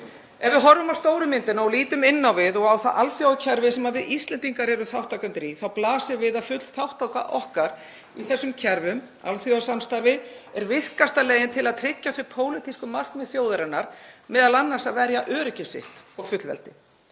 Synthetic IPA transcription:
ɛvɪðɦɔɾːʏmawst̪oːwɾʏmɪnt̪ɪnaɔwliːt̪ʏmɪnːawvɪðɔɣawθaʔalθjowacʰɛɾvɪsɛmaðvɪʔist̪lɛnt̪iŋkaɾɛɾʏθawht̪awkʏnt̪ɾiθawplaːsɪvɪðafʏt̪l̥θawht̪awka̰ʔɔhkaɾ | iθɛsːʏmcʰɛɾvʏm | a̰lθjoasanmst̪aɾvɪɛɾvɪθkast̪alɛeːjɪnt̪ʰɪlaðt̪ʰɾɪcːaθvɪɾpʰoːwlɪt̪ʰiskʏmar̥kmɛðθfjoːwðʏɾɪnaɾ̥mɛːðalanːaɾ̥saðvɛɾjaʔœːɾʏcɪsɪ̰ht̪ɔɣfʏt̪lvɛ̰lt̪ɪ

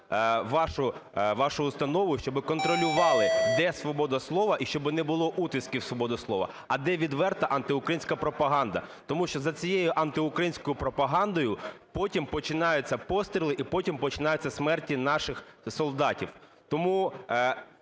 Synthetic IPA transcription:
ʋɑʃʊʋɑʃʊːst̪ɐnɔʋʊʃt͡ʃɔbɪkɔnt̪ɾɔlʲʊʋɑlˠɪd̪ɛsʋɔbɔd̪ɐslˠɔʋɐʔiʃt͡ʃɔbɪnɛbʊlˠɔʔut̪ɪskʲiwsʋɔbɔd̪ɐslˠɔʋɐ̰ | ɐd̪ɛʋʲid̪ʋɛrt̪ɐʔɐnt̪ɪʊkɾɐjinʲsʲkɐpɾɔpɐɦɑnd̪ɐt̪ɔmuʃt͡ʃɔzɐt͡sʲijejʊʔɐnt̪ɪʊkɾɐjinʲsʲkɔjʊpɾɔpɐɦɑnd̪ɔjʊpɔtʲimpɔt͡ʃɪnɑjʊt͡sʲːɐpɔst̪ɾʲilˠɪʔipɔtʲimpɔt͡ʃɪnɑjʊt͡sʲːɐsmɛrtʲinɑʃɪxsɔlˠd̪ɑtʲiw | t̪ɔmu

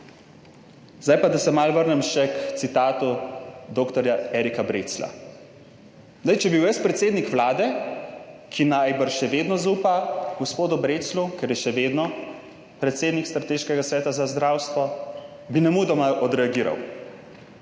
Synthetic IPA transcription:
zd̪ajpad̪asɛmalʋəɾnɛmʃɛkt̪sit̪aːt̪ud̪oːkt̪ɔɾjaɛːɾikabɾeːt̪sla̰ | zd̪ajt͡ʃɛbiwjɛst̪̚pɾɛt̪seːd̪nikʋlaːd̪ɛ | kʰinajbəɾʃɛʋed̪nɔzuːpaɡɔspoːd̪ubɾet̪slukɛɾjɛʃɛʋeːd̪nɔ | pɾɛt̪seːd̪nikst̪ɾat̪eːʃkɛɡasʋɛːt̪azazd̪ɾawst̪ʋɔ | binɛmud̪ɔmaʔɔd̪ɾɛaɡiːɾa̰w

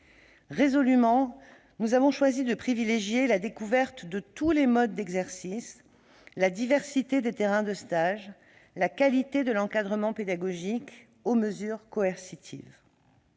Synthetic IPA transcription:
ʁezɔlymɑ̃ | nuzavɔ̃ʃwazid̪əpχivileʒjelad̪ekuvɛʁt̪d̪ət̪ulemɔd̪ːɛɡzɛʁsis | lad̪ivɛʁsit̪ed̪et̪eʁɛ̃d̪əst̪aʒ | lakalit̪ed̪əlɑ̃kad̪ʁəmɑ̃ped̪aɡɔʒik | oməzyʁkɔɛʁsit̪ʰḭv

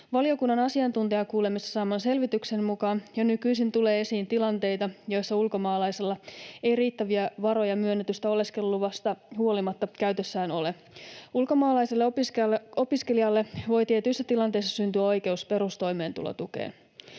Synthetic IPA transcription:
ʋɑlio̞kunːɑnɑsiɑnt̪unt̪eɑkuːle̞mist̪ːɑ̥sɑːmɑnse̞lʋit̪ykse̞nmukɑːnjɑnykyjsint̪ule̞ːe̞siːnt̪ilɑnt̪e̞jt̪ɑjo̞jsːɑulko̞mɑːlɑjselːɑe̞jriːt̪ːæʋiæʋɑɾo̞jɑmyønːet̪yst̪æo̞le̞ske̞lːuʋɑst̪ɑhuo̞limɑt̪ːɑkæɥt̪ø̞sːæːno̞le | ulko̞mɑːlɑjselːe | o̞piske̞liɑlːe̞ʋo̞jt̪iet̪yjsːæt̪ilɑnt̪ejsːɑsynt̪yæo̞jke̞uspe̞ɾust̪o̞jme̞ːnt̪ṵlo̰t̪ukḛːn

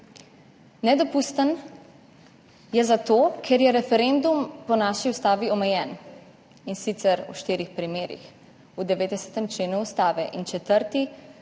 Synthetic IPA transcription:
nɛd̪ɔpust̪ən | jɛzat̪oːkʰeɾjɛɾɛfɛɾend̪umpɔnaʃiust̪aːʋiɔmɛjɛːn | insit̪sɛɾṵʃt̪iːɾixpɾimeːɾḭx | ud̪ɛʋeːd̪ɛsɛ̥t̪ɛmt͡ʃleːnuust̪aːʋɛʔint͡ʃɛt̪əɾt̪i

